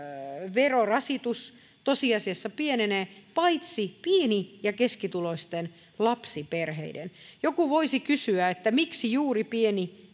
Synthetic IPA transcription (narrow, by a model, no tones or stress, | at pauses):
ʋerorɑsit̪us | t̪osiɑsiɑsːɑpienenepɑit̪sipienijɑkeskit̪uloist̪en | lɑpsiperhḛidḛnjokuʋoisikysyæet̪ːæmiksijuːripieni